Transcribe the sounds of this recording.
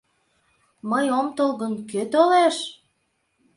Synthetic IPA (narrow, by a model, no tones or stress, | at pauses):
məjomt̪olɣənkøt̪oleʃ